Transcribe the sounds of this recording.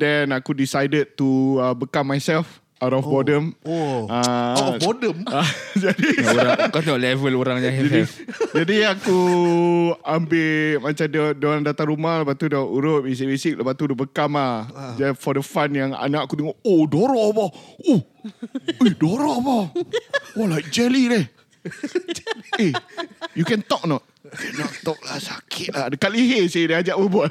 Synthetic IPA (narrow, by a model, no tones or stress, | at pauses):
dɛnakudisajdəd̚tuəbəkamːajsɛlf | awɾɔfbɔdəmaɔdəmad͡ʒadiakat̪eŋɔʔlɛvəloɾaŋɲaɦɛd͡ʒai | d͡ʒadiaku | ambemat͡ʃamddoandat̪aŋɾumahləpat̪udaʔuɾʊp̚is̬ibisɪk̚ləpaʔt̪uɾʊʔ̚bəkamahd͡ʒafɔdəfanjaŋa̰naʔakut̪əŋɔʔodoɾɔbɔo | edoɾɔbɔ | walajk̚d͡ʒɛlidɛh | ejukɛnt̪ɔk̚nɔt | kɛnɔt̪ɔk̚lahsakʰɪt̪̚laɦdəkaʔliɦesidiad͡ʒaʔbəbuat̪̚